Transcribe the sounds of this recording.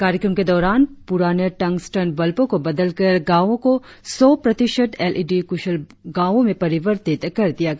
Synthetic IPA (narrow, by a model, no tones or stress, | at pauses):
kaːɾjəkɾəmked̪ɔːɾaːnpʊɾaːnəʈɐ̃ŋɡsʈənbɐlpõkobɐd̪əlkɐɾɡaːʋõko | sɔːpɾɐt̪ɪʃəʈ̪ɛːlʔiːɖikʊʃəlɡaːʋõmẽpɐɾɪʋəɾt̪ɪt̪kɐɾd̪ijaɡ